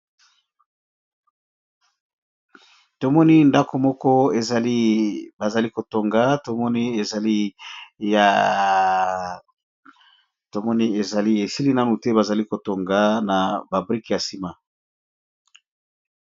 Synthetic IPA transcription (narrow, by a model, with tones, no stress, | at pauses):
to˨mɔ˦ni˦nda˦ko˨mɔ˦kɔ˦e˨za˨li˦ba˨za˨li˦ko˨to˨ŋɡa˦to˨mɔ˦ni˦e˨za˨li˦ja˨ | to˨mɔ˦ni˦e˨za˨li˦e˨si˦li˦na˦nu˨tɛ˦ba˨za˨li˦ko˨to˨ŋɡa˨na˨ba˨bʁi˦kja˨si˨ma˦